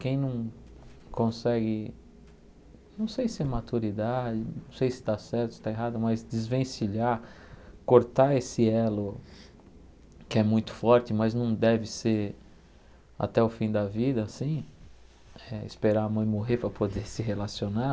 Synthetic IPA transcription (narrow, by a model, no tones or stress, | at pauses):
kẽj̃nɐ̃w̃kõsɛɡɪ | nɐ̃w̃sejsɪɛmat̪uɾid̪ad͡ʒɪnɐ̃w̃sejsɪ̥t̪asɛɾt̪ʊsɪt̪aeɦad̪ʊmɐzd͡ʒɪzvẽsiʎa | koɾt̪aesɪɛlʊ | kɪɛmũj̃t̪ʊ̥fɔɾt͡ʃɪmɐznɐ̃w̃d̪ɛvɪseɾ | a̰t̪ɛʊfĩd̪ɐvid̪ɐːsĩ | ɛɪ̰speɾaɐmɐ̃j̃moɦeɾpɾɐpod̪eɾsɪɦelasiona